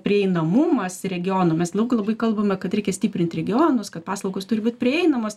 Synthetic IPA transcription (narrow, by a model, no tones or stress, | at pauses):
pʲɾʲɪɛɪnɐmʊmɐsɾʲɛɡʲɪjoːnomʲɛslˠɐʊkɪlˠɐbɐɪkɐlˠbɐmʲɛkɐt̪ɾʲɛɪkʲɛsʲt̪ʲiːpʲɾʲɪnʲt̪ɾʲɛɡʲɪoːnʊskɐt̪̚pɑːslˠɐʊɡoːst̪ʊɾʲɪbuːt̪ʲpʲɾʲɪɛɪnɐmoːs